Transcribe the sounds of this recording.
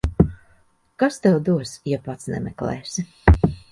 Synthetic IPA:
kast̪ɛwd̪uɔsjɛpat̪snɛ̰mɛ̰klɛ̰ːsi

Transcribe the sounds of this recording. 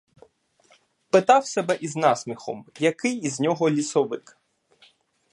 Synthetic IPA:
pɪt̪ɑwsɛbɛʔiznɑsmʲixɔ̰mjɐkɪjiznʲɔɦɔlʲisɔʋɪk

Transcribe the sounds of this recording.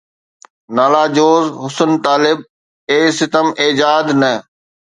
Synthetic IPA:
naːlaːd͡ʑoːzɦʊsənt̪aːlɪb̚ | eːsɪt̪əmeːd͡ʑaːd̪nə

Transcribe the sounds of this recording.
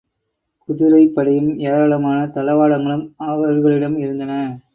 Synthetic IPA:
kʊðʊɾɐɪpːɐɽɐjɯmeːɾɐlɐmaːnɐt̪ɐlɐʋaːɽɐŋɡɐɭɯmɐʋɐɾɣɐɭɪɽɐmɪɾɯnd̪ɐnɐ

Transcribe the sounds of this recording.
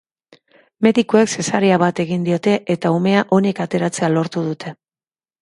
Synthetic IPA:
me̞ðikuekse̞saɾeaβat̪e̞ɣind̪io̞t̪e̞ʔet̪aume̞aʔo̞ne̞kat̪e̞ɾat͡se̞alo̞ɾt̪uðut̪ʰe̞

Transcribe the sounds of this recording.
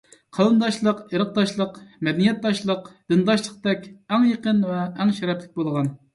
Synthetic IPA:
qʰɑlˠɨnd̪ɑʃlˠəqeɾəq̚d̪ɑʃlˠəqmɛd̪ɛnijɛt̪̚ːɑʃlˠəqd̪̥ɨnd̪ɑʃlˠəq̚d̪ɛkʲɛŋjəqənvɛːŋʃɛɾɛplɪk̚ʲbolˠʁɑn

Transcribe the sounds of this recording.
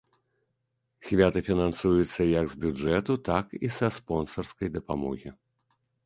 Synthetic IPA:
sʲvʲat̪ɨfʲinansujut̪sːɐjɐɡzbʲuʐɛt̪ut̪akisɐspɔnsɐrskɐjd̪ɐpamɔ̰ɣʲi

